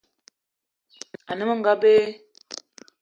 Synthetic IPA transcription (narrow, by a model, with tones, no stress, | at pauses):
a˨nə˦mə˦ŋɡa˦be˦